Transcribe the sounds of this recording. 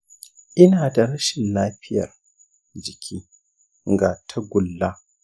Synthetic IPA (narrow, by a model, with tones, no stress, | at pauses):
ʔɪ˦naː˨da˨ɾɐ˦ʃɪ˨nlaː˦ɸɪ˦jɐ̰˨r | d͡ʒɪ˨kʲʰiː˦ | ŋɡa˨tʰa˦ɡʷʊ˨lːa˦